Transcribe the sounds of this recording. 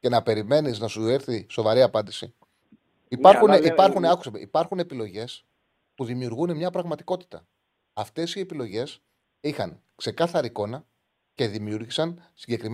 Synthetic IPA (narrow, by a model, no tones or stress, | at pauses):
ce̞nɐpe̞ɾime̞niznɐsueɾθiso̞vɐɾiɐpɐnd̪isi | ipɐɾxuneipɐɾxuneɐkusɐme̞̰ʔipɐɾxune̞pilo̞ʝe̞s | puðimiuɾɣune̞mɲɐpɾɐɣmɐt̪i̥ko̞t̪i̥t̪ɐ | ɐft̪e̞sie̞pilo̞ʝe̞s | ixɐ̰ŋkse̞kɐθɐɾiiko̞nɐ | ce̞ðimiuɾʝisɐnsiɲɟe̞kɾim